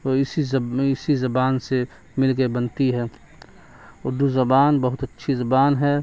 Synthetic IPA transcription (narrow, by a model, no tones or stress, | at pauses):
oːɪsizɪsizɐbaːnse | mɪlɡebɐnt̪iɦɛː | od̪uzɐbaːnbɐɦʊt̪ɐtːʃʰizɐbaːnɦɛ